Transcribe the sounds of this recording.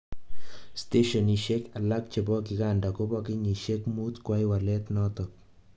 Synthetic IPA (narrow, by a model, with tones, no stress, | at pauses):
ste˦ʃɔ˨ni˨ʃe˦ka˨la˦k̚t͡ʃe˨bɔ˦ki˨kanda˨ko˦bɔ˦ki˦ɲi˨ʃe˦kmu˦tkwa˦jwa˨lɛ˦tnɔtɔ˨k̚